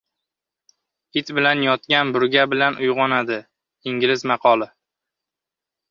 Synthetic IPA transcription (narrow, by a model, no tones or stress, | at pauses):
hɪt̪bɪlanjɒt̪kʲanbʊɾɡʲabɪlanʔʊjʁɒnad̪ɪ | ɪŋɡʲɪlɪzmɑqʰɒlˠɪ